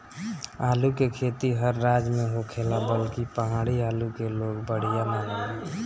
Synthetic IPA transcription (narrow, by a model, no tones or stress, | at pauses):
aːlukekʰet̪iɦəɾːad͡ʒmeɦokʰelabəlkipəɦaɽialukeloɡbəɽ̤ijananəl